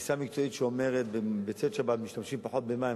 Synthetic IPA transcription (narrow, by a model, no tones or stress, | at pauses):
samikt͡so̞itʃeome̞ʁet̪̚bebet͡set̪ʃabat̪miʃt̪amʃimpaħo̞t̪̚bemai